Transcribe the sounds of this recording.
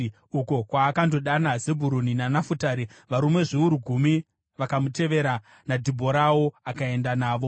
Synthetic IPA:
uko̞kwaːkando̞ɗanazebʱuɾuninanafutaːɾiʋaɾumwe̞ʐiuɾuɡʱumi | ʋakamute̞ʋe̞ɾa | nadʱibʱoɾawo̞akae̞ndanaːʋo̞

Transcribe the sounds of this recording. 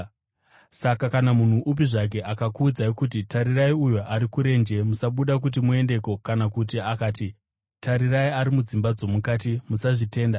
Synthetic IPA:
sakakanamun̤uʔup̬iʐak̬e̞ʔakakuːd͡zaikutitaɾiraiujuʔaɾikuɾe̞nd͡ʒe̞musaɓuɗak̬ut̬imue̞nde̞ko̞kanakut̬iakaːti | tʰaɾiraiaɾimud͡zimbad͡zo̞mukat̬imusaʐite̞ːnda

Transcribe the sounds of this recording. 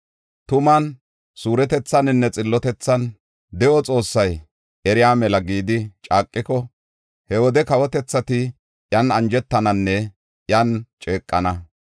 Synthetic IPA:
t̪ʊmɐn | suːɾɛt̪ɛt͡sːɐnɪnːɛt͡sʼɪlːɔt̪ɛt͡sːɐn | d̪ɛʔɔt͡sʼo̞ːsːɐj | ʔɛɾɪjaːmɛlɐɡiːd̪ɪt͡ʃʼaːkʼːɪkɔ | hɛwɔd̪ɛkɐwɔt̪ɛt͡sːɐt̪ɪ | ʔjɐnɐnd͡ʒɛt̪ːɐnɐnːɛ | jɐnt͡ʃʼeːkʼːɐnɐ

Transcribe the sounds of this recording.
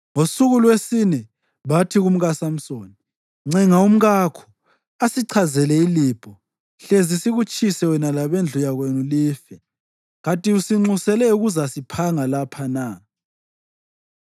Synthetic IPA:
ŋosuɣulwesinɛ | βatʰiɣum̩ɣasam̩soːni | ŋ͡ǀʱɛŋaum̩ɣakʰɔ̥ | asiǀʰazɛlɛiliːb̥ʼʱɔ | ɬezisiɣut͡ʃʼisɛwɛnalaβend͡ɮʱujaɣwenuliːfɛ | ɣatʼiusiŋ͡ǀusɛlɛuɣuzasipʰaŋalapʰana

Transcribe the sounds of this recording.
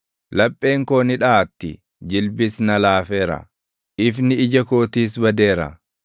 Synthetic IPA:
lɐpʼːeːŋkoːnɪᶑaːt̪ːɪ | d͡ʒɪlbɪsnɐlaːfeːɾɐ̰ | ɪfnɪɪd͡ʒɐkoːt̪iːs̬bɐd̪e̞ːɾɐ̰

